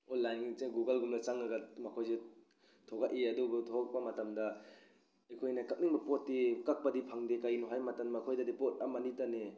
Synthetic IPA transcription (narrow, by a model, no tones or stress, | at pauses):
olajnŋiŋt͡ʃeɡuɡɐlɡunat͡ʃaŋaɡamɐkʰojze | tʰɔɡaʔiɐduɡutʰoɡak̚pɐmɐtamdɐ | akʰojnɐkak̚niŋbɐpɔtːikak̚pɐdipʰaŋdekajnuɦajmatanmakʰojdɐdipɔt̚amanitane